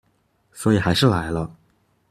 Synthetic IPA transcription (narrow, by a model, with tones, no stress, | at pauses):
swɔ˧˥i˨˩xa˧˥ɪʂɻ̩˥˩la˧˥ɪlə˧